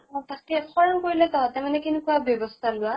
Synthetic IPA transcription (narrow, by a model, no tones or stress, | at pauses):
ɔ̃t̪akɛxɔɹɔŋkoɹilɛt̪ɔt̪amanɛkinukuabjɔbɔst̪ʰalua